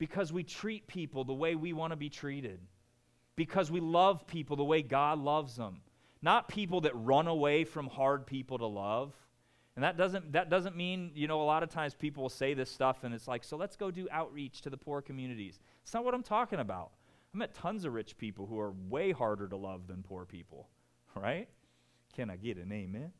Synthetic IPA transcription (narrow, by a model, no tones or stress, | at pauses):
b̥ɨkʰʌzwitʰɹ̥it̚pʰipl̩ˠðəweɪwiwɑ̃ñəbitʰɹ̥iɾɪd̚ | b̥ɨkʰʌzwilʌv̥pʰipl̩ˠðəweɪɡɑdˡlʌvzðə̰̃m | nət̚pʰip̬l̩ˠðɨt̚ɹʌ̃nəweɪfɹʌ̃mhɑɹd̚pʰipl̩ˠɾəlʌv̥ | ɨ̃n̩ðɨt̚d̥ʌzɨ̃nðɨt̚d̥ʌzə̃nmĩnjɨñoʊəlɑɾʌv̥tʰãɪ̃mz̥pʰipl̩ˠwəl̩ˠseɪðɪstʌfɨ̃nɨtslaɪksoʊlətsɡ̥oʊdɨʔaʊʔ̚ɹit͡ʃtʰɨðəpʰuɹkʰɨmjʉnɨɾḭz̥ | ætsnət̚wʌɾãɪ̃mtʰɔkɪ̃ŋɨbaʊt̚ | ãɪ̃mɨtʰʌ̃nzʌvɹɪt͡ʃpʰipl̩ˠhuə˞weɪhɑɹɾə˞ɾəlʌvðɨ̃npʰuɹpʰḭpl̩ˠ | ɹa̰ɪt̚ | kʰɨ̃ñaɪɡɛɾɨ̰nẽɪ̃mɪ̃n